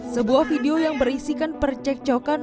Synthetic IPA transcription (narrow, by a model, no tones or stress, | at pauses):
səbuahfideojaŋbərisikanpərt͡ʃɛk̚t͡ʃokan